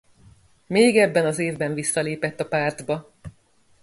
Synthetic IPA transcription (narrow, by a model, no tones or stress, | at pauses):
meːɡɛbːɛnɒzeːvbɛɱvisːɒleːpɛt̪ːɒpaːrd̪bɒ